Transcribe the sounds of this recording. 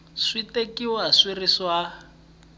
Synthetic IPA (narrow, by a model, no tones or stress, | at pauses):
switekiwɔaswiriswa